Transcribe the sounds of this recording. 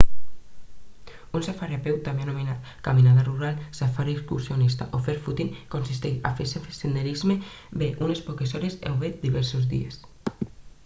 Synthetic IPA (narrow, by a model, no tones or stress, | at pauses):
unsafaɾapewt̪ameanomenat̪ | kaminaðaruɾalsafaɾeskuɾsjonist̪a̰ʔofeɾfut̪iŋkonsist̪eʃa̰fesefesend̪eɾizmebeʔunespɔkesɔɾesḛwβɛt̪̚d̪iβɛɾsozðḭḛs